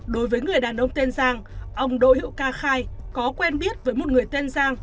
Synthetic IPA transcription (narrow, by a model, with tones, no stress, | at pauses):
ɗo˨˦jvəː˨˦jŋɨ˨˩əjɗaː˨˩nʔə˧wŋ͡mt̪e˧nzaː˧ŋʔə˧wŋ͡mɗo̰˧˨hḭ˧˨wkaː˧xaː˧jkɔ˨˦kwɛ˧nɓi˦˥ət̚vəː˨˦jmo˨˩t̚ŋɨ˨˩əjt̪e˧nzaː˧ŋ